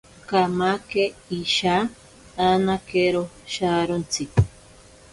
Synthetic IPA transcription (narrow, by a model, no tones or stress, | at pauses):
kamakeiʃaː | nakeɾoʃaɾont͡si